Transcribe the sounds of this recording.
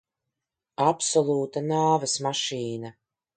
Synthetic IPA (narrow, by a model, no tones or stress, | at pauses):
apsɔlˠuːt̪anaːvasmaʃiːna